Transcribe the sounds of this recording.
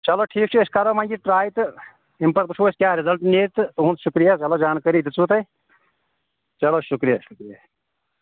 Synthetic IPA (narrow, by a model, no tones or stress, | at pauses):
t͡ʃɐloʈʰiːk̚t͡ʃʰueskɐɾɐmãŋɡiʈɾaːjit̪ | impɐɾbut͡ʃʰoːskʲjaːɾizɐlʈneːt̪t̪uɦũnt̪ʃukɾijat͡ʃɐlod͡ʒaːnkɐɾit̪it͡sut̪ɐj | t͡ʃɐloːʃukɾijaʃukɾija